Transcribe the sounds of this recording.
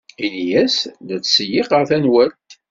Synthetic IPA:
injæsðæt͡sːsəjɪqəɾθænwælt̪

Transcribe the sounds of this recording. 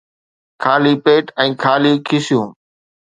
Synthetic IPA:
kʰaːliːpeːʈɛ̃ːkʰaːliːkʰɪsɪjũː

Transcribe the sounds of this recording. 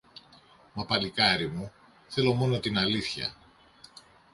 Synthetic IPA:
mɐpɐlikɐɾimu | θe̞lo̞mo̞no̞t̪inɐliθçɐ̰

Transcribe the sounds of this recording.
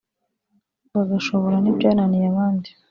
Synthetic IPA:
βaɡaʃo̞βoɾanibɟaːnanijaβaːndi

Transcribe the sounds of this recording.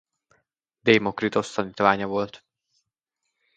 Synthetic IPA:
d̪eːmo̞krit̪o̞st̪ɒniːt̪ʋaːɲɒvo̞lt̪

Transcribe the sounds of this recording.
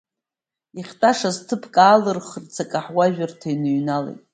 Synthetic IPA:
iχʲtʼaʂaztʰɨpʰkʼaːlɨrχrt͡sʰakʼaħwaʒᶣartʰajnɨɥnalḛjtʼ

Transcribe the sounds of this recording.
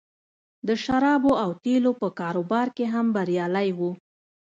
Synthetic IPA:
d̪əʃaɾɑboawt̪elopəkɑɾobɑɾkeɦambaɾjɑlajwu

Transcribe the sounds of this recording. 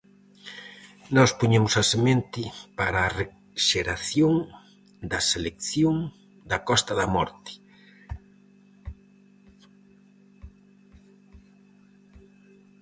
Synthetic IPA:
nɔspuɲemʊsɐsemẽnt̪ɪpaɾaːre | ʃeɾaθjoŋ | d̪ɐselekθjoŋ | d̪ɐkɔst̪ɐðɐmɔɾt̪ɪ̥

